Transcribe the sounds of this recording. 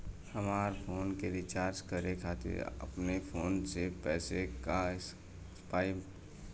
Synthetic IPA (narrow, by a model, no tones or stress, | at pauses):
həmaːɾpʰoːnkeɾit͡ʃaːɾd͡ʒkəɾekʰaːt̪ɪ̰ɾə̰pnepʰoːnsepɛːsekas | paːi